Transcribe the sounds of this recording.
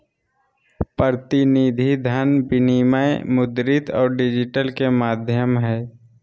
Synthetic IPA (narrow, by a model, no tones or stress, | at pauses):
pəɾt̪ɪnid̪ʱid̪ʱanbɪnimaemʊd̪ɾɪt̪ɔ̰ːɾɖɪd͡ʒɪʈəlkemaːd̪ʱjəmɦɛː